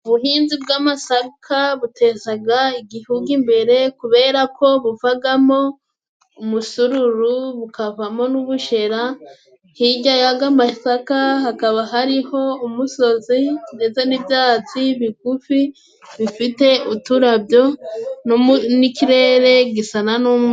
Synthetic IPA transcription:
uβuɦiːnzibɡamasakʰaβute̞ːzaɡaiɡihuɡimbe̞ɾe̞kuβe̞ːɾakʰo̞βuvaɡamo̞ | umusuɾuɾuβukavamo̞nuβuʃe̞ɾa | hiɟajaɡamasakahakaβaɦaɾiho̞umuso̞zinde̞t͡se̞nibjaːt͡siβikufi | βifite̞utuɾabjo̞nnikiɾe̞ɾe̞ɡisananum

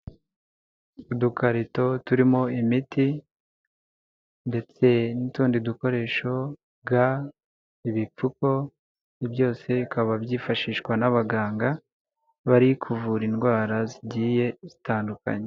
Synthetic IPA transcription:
udukaɾito̞tuɾimo̞imiti | nde̞t͡se̞nituːndiduko̞ɾe̞ːʃo̞ | bɡa | iβip͡fuko̞ | ibɟo̞ːse̞ikaβabɟiːfaʃiːʃkwanaβaɡaːŋɡa | βaɾikʰuvuɾinɡwaːɾaziɟiːje̞z̥itaːnduka̰ɲe

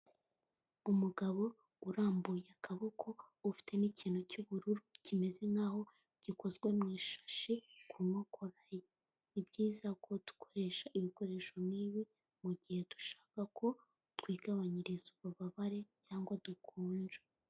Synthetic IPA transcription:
umuɡaβo̞ | uɾaːmbujeakaβokʰo̞ufi̥te̞niciːnocuβuɾuɾucime̞ze̞nhaːho̞ | ɟ̥iko̞zɡwe̞mŋiːʃḁʃikumŋokʰoɾaje | nibɟiːzakʰo̞d̥u̥kʰo̥ɾe̞ːʃaʔiβiko̞ɾe̞ːʃo̞mniːβi | muɟihe̞tu̥ʃḁːkakʰo̞ | twiːɡaβaɲiɾizuβaβaβaɾe̞caːŋɡwadukʰuːɲd͡ʒe

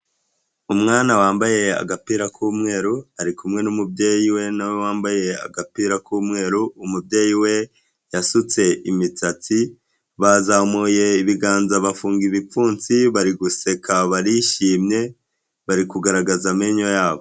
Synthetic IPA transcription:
umŋaːnawaːmbaje̞a̰ɡapiːɾakʰuːmŋe̞ːɾuaɾikumŋe̞numubɟe̞ːjiwe̞nawe̞waːmbaje̞a̰ɡapiːɾakuːmŋe̞ːɾuːmubjeːjiwe̞ | jasut͡se̞ʔimit͡sat͡si | βazamuje̞iβiɡaːnzaβafuːŋɡiβipp͡fuːnt͡siβaɾiɡuse̞kʰaβaɾiʃiːmɲe̞ | βaɾikuɡaɾaɡazameɲo̞jaːβo̞

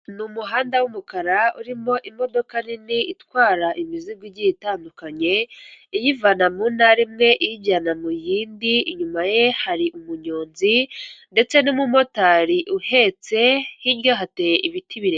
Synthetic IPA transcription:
numuɦaːndawumukaɾauɾimo̞ʔimo̞do̞kaniniitwaːɾaʔimizibɡiɟiitaːndukaɲe̞ijivanamunaɾimŋe̞ʔijiɟanamujiːndiːɲumaje̞haɾiʔumuɲoːnzinde̞t͡se̞nimumo̞taɾiʔuhe̞t͡se̞hiɲɡaɦatejeʔiβitiβiɾe

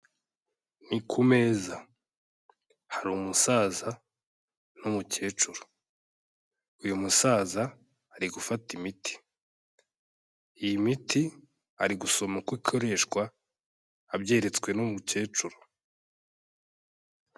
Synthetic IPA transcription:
nikʰume̞ːza | haɾuːmusaːza | nomuce̞ːt͡ʃuɾo̥ | ujumusaːzaː | ɾiɡufatimiti̥ | ijimiti | a̰ɾiɡuso̞mokwikʰo̞ɾe̞ːʃkwaː | bɟe̞ːɾe̞t͡skwe̞nomuce̞ːt͡ʃuɾo̥

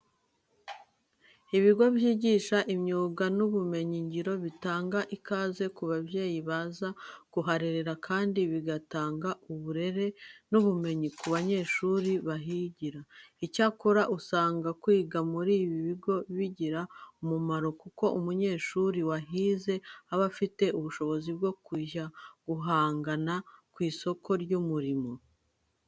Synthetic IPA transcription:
iβiɡo̞βiiɟiʃaʔimɲuːɡanuβume̞ɲiɲɟiɾo̞βitaːŋɡaʔikaːze̞kuβabje̞ːjiβaːzakuɦaɾeɾe̞ɾakʰaːndiβiɡataːŋɡaʔuβuɾe̞ɾe̞nuβume̞ɲikuβaɲe̞ːʃuɾiβaɦiɟiɾaicakoɾaʔusaːŋɡakwiːɡamuɾiːβiβiɡo̞βiɟiɾaumumaɾo̞kuko̞ʔumuɲe̞ːʃuɾiwaɦiːze̞aβafite̞ʔuβuʃo̞βo̞zibɡo̞kwiːʒaɡ̥uɦaːŋɡanakwiːso̞kʰo̞ɾɟumuɾimo̞

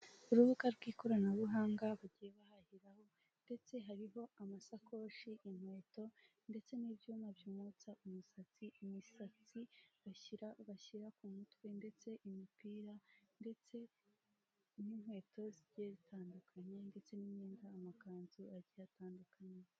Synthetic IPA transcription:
uɾuβukaɾɡwiːko̞ɾanaɾuɦaːŋɡaβuɟije̞βahahiɾaho̞ | nde̞t͡se̞ɦaɾiɦo̞amasakʰo̞ʃiʔin̥hwe̞ːto̞ | nde̞t͡se̞nibjuːmabjuːmut͡saʔumusat͡siimisat͡siβaiɾaβaçiɾakumutwende̞t͡se̞ʔimipiːɾande̞t͡se̞ | ninwe̞ːtʰo̞ziɾɟijezitʰaːndukʰaɲe̞nde̞t͡se̞niɲɲeːndaːmakaːnzuaɟiataːndukʰaɲe

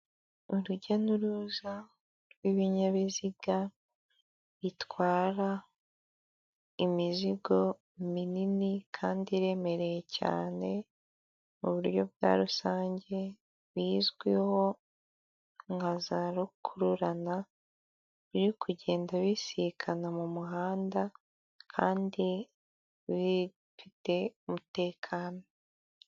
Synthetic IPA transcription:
uɾuɟanuɾuza | ɾwiβiɲaβiziɡa | βitwaːɾa | imiziɡo̞ | mininikʰaːndiɾe̞me̞ɾe̞je̞ca̰ːne̞ | muβuɾjo̞bɡa̰ːɾusaːɲɟe̞ | βiːzɡwiho̞ | ŋɡazaɾukʰuɾuɾana | βiɾikuɟe̞ːndaβisikʰanamumuɦaːnda | kʰaːndi | βi | fite̞umute̞ːkʰaːno̞

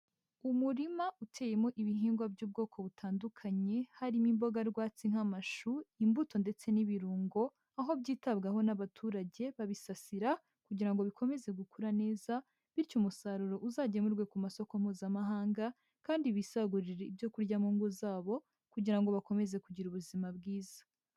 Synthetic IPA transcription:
umuɾimautʰe̞ːje̞mo̞ʔiβiɦiːŋɡwabɟuːb̚ɡo̞ːkʰo̞βutʰaːndukʰaɲe̞haɾimimbo̞ɡaɾɡwaːt͡siŋ̥hamaʃuimbuto̞nde̞t͡se̞niβiɾuːŋɡo̞ | aɦo̞bɟiːtabɡaɦo̞naβatʰuːɾaɟe̞βaβisasiɾa | kuɟiɾaŋɡo̞βikʰo̞me̞ze̞ɡukuɾane̞ːza | βiɾcumusaɾuɾo̞ʔuzaːɟemuɾɡwe̞kumaso̞ko̞m̥huːzamaɦaːŋɡa | kaːndiβisaɡuɾiɾeibjo̞kuɾɟamuːŋɡuzaːβo̞ | kuɟiɾaŋɡo̞βako̞me̞ze̞kuɟiɾuβuzimabɡiːzḁ

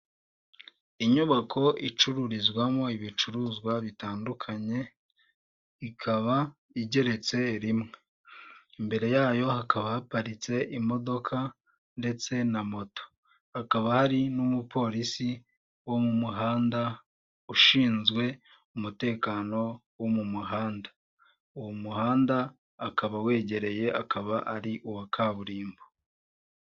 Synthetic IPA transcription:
iɲuβakʰo̞ʔit͡ʃuɾuɾizɡwamo̞iβit͡ʃuɾuzɡwaβitaːndukʰaɲe̞ | ikʰaβa | iɟe̞ɾe̞t͡se̞ɾimŋe | imbe̞ɾe̞jaːjo̞hakaβahapaɾit͡se̞ʔimo̞do̞kʰa | nde̞t͡se̞namo̞to̥ | akaβahaɾinumupʰo̞ːɾisi | womumuɦaːnda | uʃiːnzɡwe̞ | umute̞ːkaːno̞womumuɦaːnda | uwomuhaːndaː | kaβawe̞ːɟe̞ɾe̞je̞ʔakʰaβaʔaɾiʔuwakʰaːβuɾiːmbo

